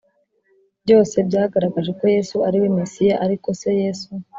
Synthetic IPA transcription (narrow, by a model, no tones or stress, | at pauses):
bɟo̞ːse̞bɟaːɡaɾaɡaʒe̞ko̞je̞suaɾiwemesijaʔaɾiko̞se̞je̞ːsu